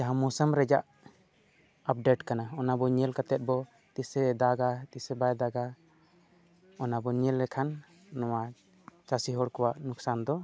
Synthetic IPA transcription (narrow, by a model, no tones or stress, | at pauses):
d͡ʒaɦãmɔsəmɾɛd͡ʒaʔ | ap̚ɖeʈkanaɔnabɔɲɛlkat̪ɛt̪̚bɔ | t̪isɛd̪aɡat̪isɛbajd̪aɡa | ɔnabɔɲɛlːɛkʰanː | ɔwa | t͡ʃasiɦɔɽkɔwaʔnuksand̪ɔ